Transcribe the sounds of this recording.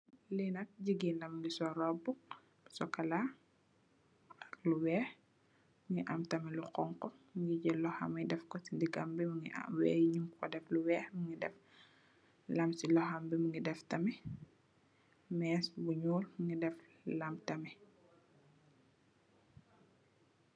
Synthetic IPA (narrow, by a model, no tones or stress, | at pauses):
linɐt̚ɟiɡinɐmŋɡisɔɾɔbu | sɔkɐla | luwɛːh | mŋɡiʔɐmtɐmɛluqɔŋkɔmŋɡiɟɛlɔhɐ̰mɐdɛfkɔsindiɡɐmbimuŋḭwɛːjiɲumkʰɔdɛfluwɛːhmuŋɡidɛf | lɐmsilɔhɐmbimuŋɡidɛftɐmɛ | mɛːsbuɲuːlmŋɡidɛf | lɐmtɐmɛ